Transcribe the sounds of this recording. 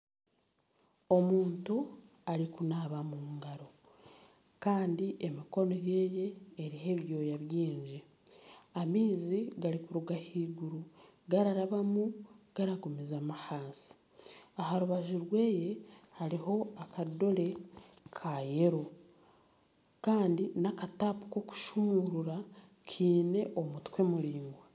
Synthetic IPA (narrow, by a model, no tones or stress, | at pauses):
o̞muːntu | aɾikunaβamuŋɡaɾo̞ | kaːndiʔemiko̞no̞je̞ːje̞ːɾiɦe̞βjo̞ːjaβjiːɲd͡ʒi | amiːziɡaɾikuɾuɡahiːɡuɾu | ɡaɾaɾaβamuɡ̥aɾaɡumizamahaːnsi̥ | ahaɾuβaʒiɾwe̞ːje̞haɾiɦo̞akado̞ɾe̞kʰaje̞ɾo | kaːndinakatapu̥koku̥ʃumuɾuɾa | kʰiːne̞ʔomutkwe̞muɾiːŋɡwa